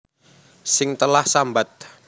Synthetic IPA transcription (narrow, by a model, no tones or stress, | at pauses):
sɪŋt̪əlahsambat̪̚